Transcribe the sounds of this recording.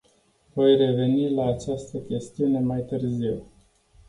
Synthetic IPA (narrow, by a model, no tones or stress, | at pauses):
vo̞jre̞ve̞nilaːt͡ʃast̪əkʲe̞st̪iune̞majt̪ɨrziw